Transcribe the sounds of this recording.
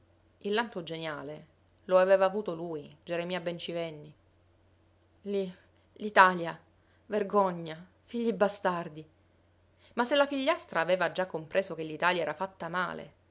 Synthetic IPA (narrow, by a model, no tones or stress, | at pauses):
ilːampod͡ʒenjaːle | loaveːvaːvuːt̪oluːjd͡ʒeɾemiːabent͡ʃivɛnːi | li | lit̪aːlja | verɡɔɲːa | fiʎːibast̪ard̪i | masːelafiʎːast̪ɾaːveːvad͡ʒakːompɾʔeːsokelːit̪aːljaɛːɾafat̪ːama̰ːlḛ